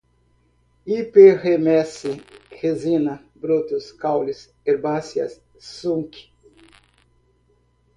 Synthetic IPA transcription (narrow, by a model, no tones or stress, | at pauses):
ipehemɛsixezinɐ | bɾot̪uskawlis | eɾbasjɐ̰s | suŋki̥